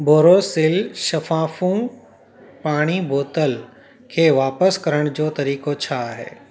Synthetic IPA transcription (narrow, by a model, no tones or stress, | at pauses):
boːɾoːsɪlʃɐfaːfũ | paːɽ̃iboːt̪əl | kʰeːʋaːpəskɐɾəɽ̃d͡ʑoːt̪ɐɾiːkot͡ɕʰaɦḛː